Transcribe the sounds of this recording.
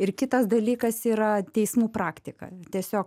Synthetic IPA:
ɪrkʲɪt̪ɐsd̪ɐlʲiːkɐsiːɾɐt̪ʲɛɪsmuːpɾɑːkt̪ʲɪkɐ̰t̪ʲiɛsʲoːk

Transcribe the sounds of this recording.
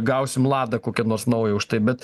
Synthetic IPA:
ɡɐʊssʲɪmlˠɑːd̪ɐkoːkʲɛnoːrsnɐʊjɛʊʃt̪ɐɪbʲɛt̪

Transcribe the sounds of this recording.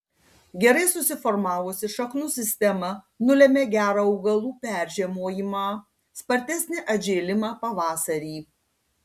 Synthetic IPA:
ɡʲɛɾɐɪsʊsʲɪfɔɾmɑːʋʊsʲɪʃɐknʊsʲɪsʲt̪ʲɛmɐ | nʊlʲɛmʲeːɡʲæːɾɐːɔʊɡɐlˠuːpʲæˑɾʲʒʲeːmoːjɪmɑː | spɐɾʲt̪ʲɛsʲnʲɪʔɐd͡ʒʲeːlʲɪmɑːpɐʋɑːsɐɾʲiː

